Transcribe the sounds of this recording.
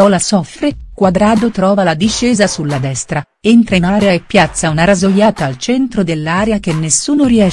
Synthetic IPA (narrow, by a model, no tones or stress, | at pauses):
ɔlasɔfɾekwad̪ɾaːd̪ot̪ɾɔːvalad̪iʃːɛːzasulːad̪ɛst̪ɾa | ent̪ɾenaːɾeaepːjat̪sːaunaɾazoʎːaːt̪aːlt͡ʃɛnt̪ɾod̪elːaːɾeak̟enːesːuːnoɾiɛ